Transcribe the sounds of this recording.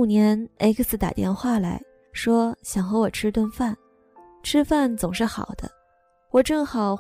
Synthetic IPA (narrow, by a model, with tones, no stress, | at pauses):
njɛ˧˥nḛ˥kə˧˩sɹ̩˨˩t̪a̰˨˩t̪jɛ̰˥˧nxwa˥˩la̰˧˥ɪ | ʂwɔ˥ɕjɑ˨˩ŋxɤ˧˥wɔ˨˩ʈ͡ʂʰɻ̩˥t̪wə˥˧nfa˥˩n | ʈ͡ʂʰɻ̩˥fa˥˩nt͡sʊ˨˩ŋʂɻ̩˥˩xɑ̰˨˩ʊd̪̥ə̰˦ | wɔ˨˩ʈ͡ʂɤ˥˩ŋxɑ˨˩˦ʊ